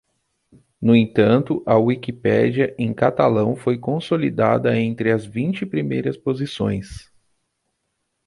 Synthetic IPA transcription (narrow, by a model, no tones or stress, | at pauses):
nʊẽt̪ɐ̃nt̪ʊʔɐwikipɛ̰d͡ʒiɐʔẽj̃kat̪alɐ̃w̃fojkõsolid̪a̰d̪ɐẽnt̪ɾɪɐzvĩnt͡ʃɪpɾimejɾɐspozisõ̰j̃s